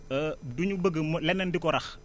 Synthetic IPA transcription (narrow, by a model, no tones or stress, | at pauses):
əduɲubəɡəmlɛnəndikɔɾɐx